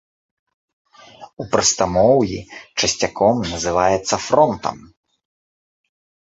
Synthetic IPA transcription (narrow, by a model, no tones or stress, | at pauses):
upɾɐst̪amɔwjḭt͡ʂɐsʲt͡sʲakʰɔmnɐzɨvajɛt̪sːɐfɾɔnt̪ɐ̰m